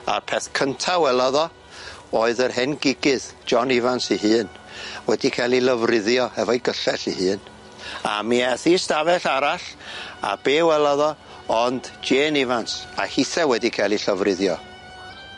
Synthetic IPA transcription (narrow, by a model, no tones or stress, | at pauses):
a̰rpʰɛθkʰəntʰawɛlˠaðɔ | oːɨðərɦɛnɡɪɡɨðd͡ʒɔnɪvansihɨːnwɛdikʰɛlˠiləvrɪðjɔhɛvɔiɡəɬɛɬihɨːn | a̰miɛθistavɛɬaɾaɬa̰beːwɛlˠaðɔ | ɔndd͡ʒeːnɪvansahɪθɛwɛdikʰɛlˠiɬəvrɪðjɔ